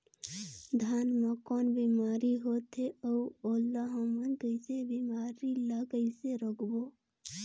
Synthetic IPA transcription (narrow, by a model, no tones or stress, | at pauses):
d̪ʱaːnmakɔːnbimaːɾiɦoːt̪eəoːlːaɦəmənkəɪsebimaːɾilakəɪseɾəkʰbo